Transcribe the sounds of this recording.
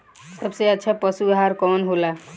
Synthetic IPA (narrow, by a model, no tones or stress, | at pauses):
sʌbsejat̪ːt͡ʃʰʌpʌsuɡɦaɾkɔnɦola